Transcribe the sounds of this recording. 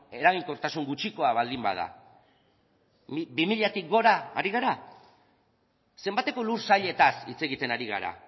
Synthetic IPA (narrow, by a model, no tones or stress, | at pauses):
e̞ɾaɣiŋkot̪asuŋɡut͡ʃiko̞aβald̪imba̰ð̞a̰ | bimiʎat̪ik̚ɡo̞ɾaːɾiɣ̞aɾa | se̞mbat̪e̞ko̞luɾsaʎe̞t̪asit͡se̞ɣit̪e̞naɾiɣ̞a̰ɾa̰